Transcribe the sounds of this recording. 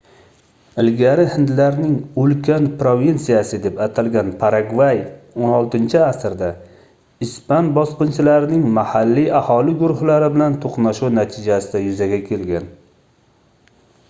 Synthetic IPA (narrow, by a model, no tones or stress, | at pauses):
ɪlɡʲaɾɪhɪnd̪laɾnɪŋɵlkʲʰanpɾovinsijasɪd̪e̞pat̪ʰalɡʲanpʰaɾaɡvajonɒlˠt̪ɪnt͡ʃʰɪasɾd̪a | ɪspanbɒsqɨnt͡ʃʰɪlaɾɪnɪŋmahalːiahɒlɪɡʊɾʊhlaɾɪbɪlant̪ʰoqnaʃunat̪ʰɪd͡ʒasɪd̪ajʊzaɡʲakʲʰe̞lɡʲan